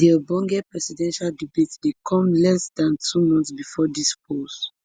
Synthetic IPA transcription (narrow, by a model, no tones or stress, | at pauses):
diəbɔ̃ŋɡɛpɹɛsidɛ̃nʃaldibetdekʰɔ̃mlɛsdãntʰumɔ̃nsbifɔdispʰost